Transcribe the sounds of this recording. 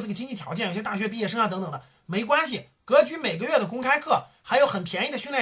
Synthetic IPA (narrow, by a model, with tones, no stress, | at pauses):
ʈ͡ʂɤ˥˩ɡə˩t͡ɕi˥ŋt͡ɕi˥˩jɑ˧˥t͡ɕjnjɕjɛ˥t̪a˥˩ɕɥɛ˧˥pi˥˧jɛ˥˧ʂɤ˥ŋa˨t̪ɤ˧˥ŋt̪ɤ˨˩ŋd̪ə˦ | me˧˥ɪkwa˥nɕ̬i˨ | kɤ˧˥t͡ɕy˧˥me˨˩ɪɡə˦ɥɛ˥˩d̪ə˩k̬ʊ˥ŋkʰa˥ɪkʰɤ˥˩xa˧˥ɪjo˧˥ʊxə˨˩npʰjɛ˧˥ni˥˩d̪ə˩ɕy˥nljɛ˥˩